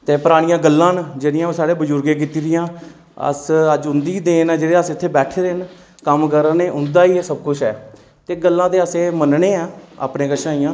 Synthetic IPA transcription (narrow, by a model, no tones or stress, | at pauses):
t̪eːpəɾaːɽɪjãːɡəlːãːnd͡ʒeːɽɪjãːsaːɽeːbəd͡ʒʊɾɡẽːk̬it̪iːɾɪjãː | ə̰səd͡ʒʊnd̪iːd̪eːnːd͡ʒeːɽeːəsɪt̪ʰːeːbɛːʈʰeːɾeːn | kəmkəɾneːʔʊnd̪aːiːeːsəbkʊt͡ʃʰɦɛː | t̪eːɡəlːãːt̪eːəseːmənɳeːãːa̰ːpnẽːkəʃãːijãː